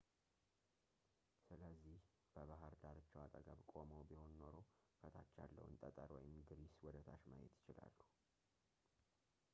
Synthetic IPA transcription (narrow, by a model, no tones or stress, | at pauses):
sɨləzːih | b̥əβaɦəɾd̪aɾət͡ʃːɛwat̪ʼəɡəβkʼoməwbiho̞nno̞ɾowfʰət̪ʰat͡ʃːa̰lːə̰wɨ̰nt̪ʼət̪ʼəɾwɔjɪmɡɨɾiswɔd̪ət̪ʰaʃmajɛ̰t̪jɪt͡ʃɪla̰lːu